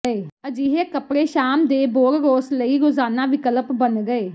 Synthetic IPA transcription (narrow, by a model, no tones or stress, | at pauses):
eːəd͡ʒiɦeːkəpɽeːʃaːmd̪eːboːɾɾoːsləiːɾozaːnãːʋɪkələpbənɡəeː